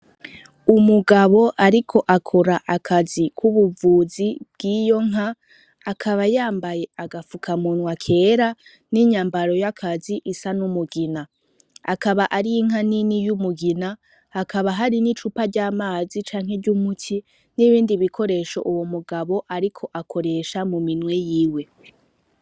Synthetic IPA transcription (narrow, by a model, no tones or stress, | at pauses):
umuɡaβo̞ʔaɾikʰo̞ʔakʰoɾaʔakʰazikʰuβuvuːzib̥̚ɡiːjo̞ŋ̥ɦaː | kʰaβajaːmbaje̞aɡafukʰamunwakʰe̞ːɾa | niɲaːmbaɾo̞jakʰaziʔisanumuɡina | a̰kaβaʔaɾijiŋ̥ɦaninijumuɡina | hakaβaɦaɾinit͡ʃupaɾɟaːmaːzit͡ʃaːŋ̥he̞ɟumutʰi | niβiːndiβikʰo̞ɾe̞ʃo̞̰ʔuwomuɡaβo̞ʔaɾikʰo̞ʔakʰo̞ɾe̞ʃamuminwe̞jiːwe̞